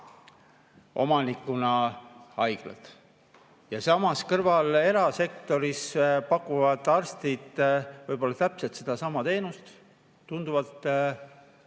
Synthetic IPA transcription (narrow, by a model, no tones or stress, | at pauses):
ʔo̞̰mɑnikːˑunɑɑjɡ̥lɑ̰t̪ˑ | jɑsɑmɑskɤrvɑle̞ɾɑse̞k̚t̪o̞ɾispɑkːˑuvɑd̪̥ɑrst̪id̪̥vɤjb̥o̞lːɑt̪æpset̪se̞d̪̥ɑsɑmɑt̪e̞ːnust̪ | t̪ːund̪uvɑt̪ː